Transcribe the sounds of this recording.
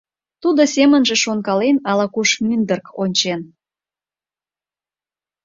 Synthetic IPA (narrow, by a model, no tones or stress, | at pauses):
t̪ud̪osemənʒĕʃonkɑlenɑlɑkuʃmynd̪ərkonʲt͡ɕen